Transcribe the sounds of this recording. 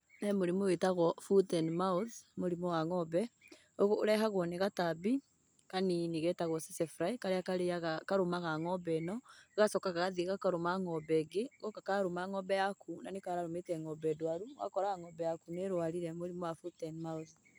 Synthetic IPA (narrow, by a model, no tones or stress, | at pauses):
nɛmoɾimowetaɣɔfutɛnmauθmoɾimɔwaŋɔbɛ | oɣo̰ːɾɛɦaɣwɔneɣatabi | kaniniɣɛtaɣɔsɛsɛfɾaikaɾeakaɾeaɣakaɾomaɣaŋɔbɛnɔɣasɔkaɣaɣaðiɣakaɾomaŋɔbɛɡeɣɔkakaɾomaŋɔbɛjakʰunanekaɾaɾometɛŋɔbɛdwaɾuɣa̰kɔɾaaŋɔbɛjakuneɾwaɾiɾɛmoɾimɔwafutɛnmauθ